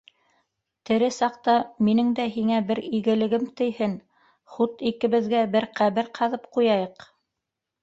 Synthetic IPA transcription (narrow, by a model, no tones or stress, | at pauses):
t̪ɘ̆ɾɘsɑqt̪ɑminɘŋd̪æɦiŋæbɘɾiɡɘ̆lɘ̆ɡɘmt̪ɘ̆jhɘn | χut̪ikɘ̆βɘ̆ðɡæbɘɾqæβɘɾqʰɑðɤpqujɑjɤq